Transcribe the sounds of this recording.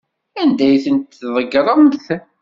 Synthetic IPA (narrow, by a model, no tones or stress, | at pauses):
ænd̪æjθənt̪θðˤəɡɾˤənθ